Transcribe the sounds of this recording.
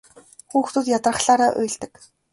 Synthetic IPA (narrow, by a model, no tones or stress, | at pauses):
xuːxt̪uːt̪jat̪rə̆χɮaːɾaːʔʊ̰jɮt̪ɘ̆k